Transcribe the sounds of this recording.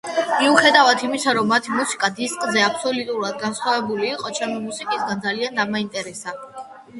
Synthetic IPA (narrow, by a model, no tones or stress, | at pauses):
miuχɛd̪avad̪ʰimisaɾɔmːat̪ʰimusi̥kʼad̪iskʼzɛapʰsɔlut̪ʼuɾad̪ɡansχwavɛbuliːqʼɔt͡ʃʰɛmimusikʼisɡand̪zaliand̪amaint̪ʼɛɾɛsa